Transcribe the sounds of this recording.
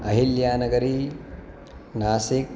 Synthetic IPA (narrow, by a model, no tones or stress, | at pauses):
ɐɦiljaːnɐɡɐɾi | naːsik